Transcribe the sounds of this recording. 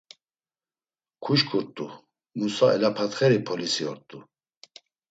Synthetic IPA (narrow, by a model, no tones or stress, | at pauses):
kʰuʃkʰʼuɾt̪ʼu | musaɛ̰lapʰat̪χɛɾipʰɔlisiɔɾt̪ʼu